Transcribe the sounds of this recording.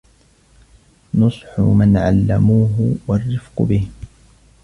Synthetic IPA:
nʊsˤħʊ̰manʕa̰lːamuːɦʊwarːɪfqʊbɪh

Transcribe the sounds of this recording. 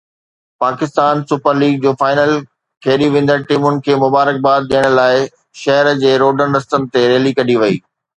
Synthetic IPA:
paːkɪst̪aːnsʊpəɾliːɡ̚d͡ʑoːfaːɪnəl | kʰeːɗiʋẽːn̆d̪əɾʈiːmʊnɪ̆kʰeːmʊbaːɾək̚baːd̪̚ɗijəɽ̃̆laːɪ | ʃɐɦəɾd͡ʑeːɾoːɖənɾɐst̪ənɪ̆t̪eɾeːlikɐɗiʋɐiː

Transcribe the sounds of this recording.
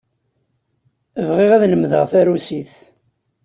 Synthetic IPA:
əvʁiʁæðləmðə̰ʁθæɾusiθ

